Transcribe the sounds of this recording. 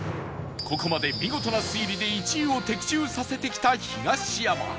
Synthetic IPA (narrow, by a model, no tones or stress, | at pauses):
kʰo̞ko̞mad̪e̞mʲiɡo̞t̪o̞nasɨiɾʲid̪e̞it͡ɕĩɰ̃o̞t̪e̞kʲi̥t͡ɕɨːsase̞t̪e̞kʲi̥t̪açiɡaɕijama̰